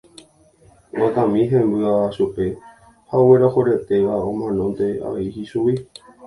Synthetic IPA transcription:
wat̪ãmĩɦẽmbɨaʃupe̞ | haoweɾahoɾet̪e̞ʋaõmãnõ̞nt̪e̞a̰ʋeihisuwi

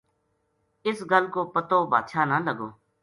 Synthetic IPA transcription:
ɪsɡəlkoːpət̪oːba̰ːd̪ʃʰaːnaːləɡoː

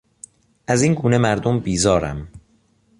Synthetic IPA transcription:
ʔæziːnɡuːnemæɾd̪ombiːzɒːɾæ̰m

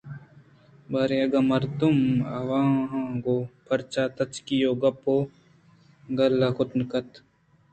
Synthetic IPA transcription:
bɐɾeɐɡamɐɾd̪umɐʋãːɦɡopʰɐɾt͡ʃaːt̪ɐt͡ʃkijoːɡɐpoː | ɡɐlːakʊt̪nkɐt̪

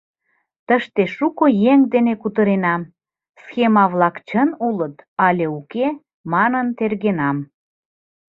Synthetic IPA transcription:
t̪əʃt̪eʃukojeŋd̪enekut̪əɾenɑm | sxemɑβlɑkt͡ɕənulət̪ɑlʲeuke | mɑnənt̪erɣenɑm

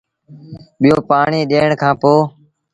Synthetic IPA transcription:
ɓɪjoːpaːɳiːɗeːɳkʰãːpoː

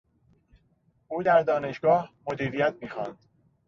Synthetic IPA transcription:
ʔuːd̪æɾd̪ɒːne̞ʃɡɒːhmod̪iːɾijæt̪̚ʰmiːxɒnd̪̥

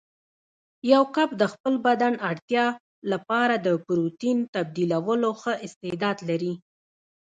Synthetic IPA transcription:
jawkab̚d̪əxpəlbad̪anaɽt̪jɑ | lapɑɾad̪əpɾut̪int̪ab̚d̪ilawəloxəʔɪst̪ɪd̪ɑd̪laɾi

